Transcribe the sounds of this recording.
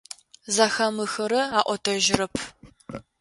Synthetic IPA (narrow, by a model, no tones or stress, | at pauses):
zɐxɐmɨxɐɾɐaːʔʷɔtʰɐʒɪɾɐpʰ